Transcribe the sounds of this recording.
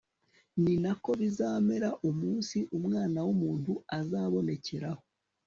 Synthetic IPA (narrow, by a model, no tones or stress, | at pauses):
ninako̞βizaːme̞ɾaʔumuːnsiʔumŋaːnawumuːnthuazaːβo̞ne̞ce̞ɾaho̞